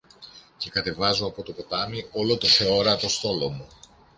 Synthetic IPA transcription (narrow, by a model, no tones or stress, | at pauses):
ce̞kɐt̪e̞vɐzuɐpo̞t̪o̞po̞t̪ɐmio̞lo̞t̪o̞θe̞o̞ɾɐːt̪o̞st̪o̞lo̞mu